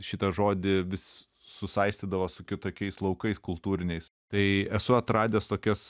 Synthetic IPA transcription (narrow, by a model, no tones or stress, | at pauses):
ʃʲɪt̪ɐʒoːd̪ʲɪʋʲɪsʲ | sʊsɐɪsʲt̪ʲiːd̪ɐʋosʊkʲɪt̪oːkʲɛɪslˠɐʊkɐɪskʊlˠt̪uːɾʲɪnʲɛɪst̪ɐɪɛsʊɐt̪ɾɑːd̪ʲeːst̪oːkʲɛs